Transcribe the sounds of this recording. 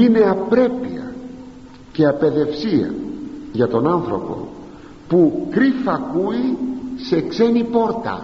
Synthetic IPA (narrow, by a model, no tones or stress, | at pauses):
ine̞ɐpɾe̞pḭɐ̰ | ce̞ɐpe̞ðe̞fsiɐ̰ʝɐt̪o̞nɐnθɾo̞po̞̰ | pukɾifɐkuise̞kse̞nipo̞ɾt̪ɐ̰